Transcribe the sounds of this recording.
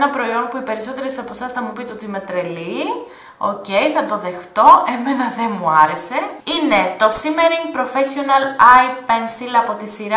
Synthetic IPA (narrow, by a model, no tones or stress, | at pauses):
nɐpɾo̞io̞npuipe̞ɾiso̞t̪e̞ɾesɐpo̞sɐsθɐmupit̪eot̪ime̞t̪ɾe̞li | o̞̰ce̞jθɐt̪o̞ðe̞xt̪o̞ʔe̞me̞nɐðe̞muɐɾe̞se̞ine̞t̪o̞sime̞ɾiŋɡ̚pɾo̞fesio̞nɐlɐjpensilɐpo̞t̪isiɾɐ